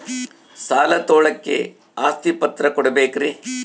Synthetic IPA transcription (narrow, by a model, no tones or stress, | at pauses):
saːlɐt̪oːɭɐkːḛ | aːst̪ipɐt̪ɾɐkɔɽɐbeːkɾi